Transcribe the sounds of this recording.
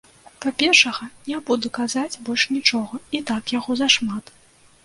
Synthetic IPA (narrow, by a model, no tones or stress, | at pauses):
papʲɛrʂɐɣɐnʲabud̪ukazat͡sʲbɔlʲʂnʲit͡ʂɔɣɐit̪akjaɣɔzɐʂmat̪